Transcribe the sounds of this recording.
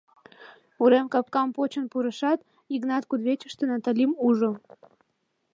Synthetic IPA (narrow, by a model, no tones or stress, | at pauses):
uɾemkɑp̚kɑmpot͡ɕə̆npuɾə̆ʃɑt̪ | iɡnɑt̪kud̪βʲet͡ɕəʃt̪ə̆nat̪alʲimuʒŏ